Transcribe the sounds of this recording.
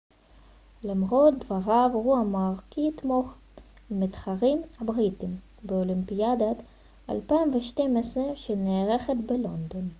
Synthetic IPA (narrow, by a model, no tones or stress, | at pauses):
lemʁot̚d̪vaʁavʁuamaːʁkit̪mo̞χ | mit̪χaʁimhabʁit̪im | beolimpiad̪at̪ | a̰lpaimveʃtemesʁeʃeneːʁeχet̪belo̞nd̪o̞n